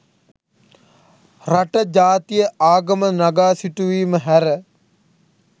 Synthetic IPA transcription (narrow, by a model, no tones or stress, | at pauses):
raʈəd͡ʒaːt̪ijəʔaːɡəmənaɡaːsiʈuʋiːməɦæɾə